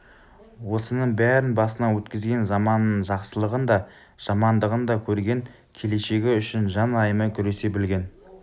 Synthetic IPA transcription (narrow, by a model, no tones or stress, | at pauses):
wo̞sənəɴbæɾɪnbɑsənɑwɵt̪kʲɪzɡʲe̞nzɑmɑnəʒɑqsəlˠəʁənd̪ɑ | ʒ̥ɑmɑnd̪əʁənd̪ɑkʲʰɵɾɡʲe̞ŋ | kʲʰe̞le̞ʃe̞ɡʲɪʏʃɪnʒɑnɑjəməkʲʰʏɾe̞se̞bɪlɡʲe̞n